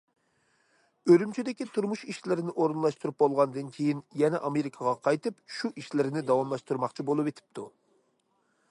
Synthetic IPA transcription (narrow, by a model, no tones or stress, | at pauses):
ølymt͡ʃʰid̪ɪkʲit̪ʰuɾmuʃiʃlɪɾɪnɪʔoɾɨnlˠɑʃt̪uɾup̚bolˠʁɑnd̪ɨnkʲʰejinjɛnɛʔɑmeɾɪkʰɑʁɑqʰɑjt̪ɨpʃuʔiʃlɪɾnɪd̪ɑwɑmlˠɑʃt̪uɾmɑqt͡ʃʰibolˠɨpet̪ʰɪ̥p̚t̪ʰu